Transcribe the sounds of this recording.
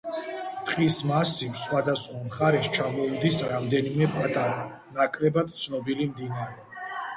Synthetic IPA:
t̪ʼqʼismasivsχwad̪asχwamχaɾɛʃt͡ʃʰamɔud̪isɾamd̪ɛnimɛpʼat̪ʼaɾa | nakʼɾɛbad̪̥̚t̪sʰnɔbilimd̪inaɾɛ

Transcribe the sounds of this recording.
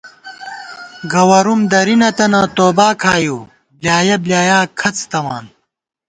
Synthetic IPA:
ɡɐwɐɾumd̪ɐɾinɐt̪ɐnɐt̪oːbaːkʰaːjuː | bljaːjɐbljaːjaːkʰɐt͡st̪ɐmaːn

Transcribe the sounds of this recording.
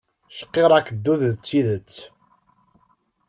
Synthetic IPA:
ʃə̥qːeɾˤækəd̪ːuððt͡sːiðət͡sː

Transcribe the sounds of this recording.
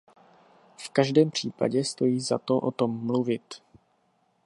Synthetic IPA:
fkaʒdɛːmpr̝̥iːpa̰ɟɛst̪o̞jiːzat̪o̞ʔo̞t̪o̞mːluvɪt̪

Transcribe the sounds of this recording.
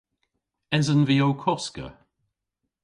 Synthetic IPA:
ɛzənviowkʰɔskə̰

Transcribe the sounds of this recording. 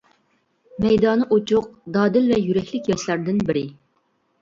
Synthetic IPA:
mɛjd̪ɑːnɨʔot͡ʃʰʊq̚d̪ɑːd̪ɪlvɛjyɾɛkʲlɪkʲjɛʃlæɾd̪ɪnbɪɾɪ

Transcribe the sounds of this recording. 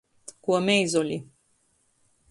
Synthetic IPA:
kuəmejzolʲi

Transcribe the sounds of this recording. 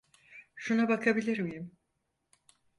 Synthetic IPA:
ʃunabakʰabilʲiɾmijim

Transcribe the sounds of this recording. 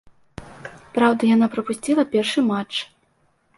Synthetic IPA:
pɾawd̪ɐjanapɾɐpusʲt͡sʲilˠɐpʲɛrʂɨmat͡ʂ

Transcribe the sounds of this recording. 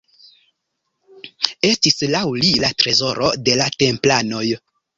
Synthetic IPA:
e̞stislawlilatɾe̞zo̞ɾo̞de̞late̞mplano̞j

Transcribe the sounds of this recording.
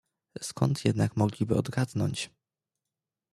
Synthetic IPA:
skʰɔnt̪jɛd̪nakmɔɡlʲibɘ̰ɔd̪ɡad̪nɔɲt͡ɕ

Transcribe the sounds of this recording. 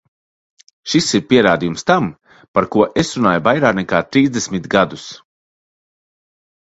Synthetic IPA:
ʃisiɾpiɛɾaːd̪ijumst̪am | paɾkuɔʔesɾunaːjuvajɾaːknɛkaːt̪ɾiːzd̪esmit̪ɡad̪us

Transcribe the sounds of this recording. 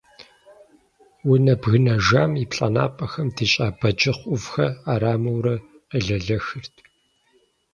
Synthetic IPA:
wʊnɐbɣɨnɐʒaːmipɬʼɐna̰ːpʼɐxɐmdit͡ʃʼaːbɐd͡ʒɪχʷʊvxɐaːɾaːmɐwɾɐ | əɮɐɮɐxɨrtʰ

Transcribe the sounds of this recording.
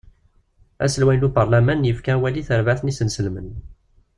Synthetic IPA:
æ̰səlwænlubəɾˤlæmænjəfkæwæliθəɾvæθənisənsəlmən

